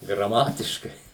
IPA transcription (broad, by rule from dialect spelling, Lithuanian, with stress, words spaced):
ɡrɐˈmɑːtʲɪʃkɐɪ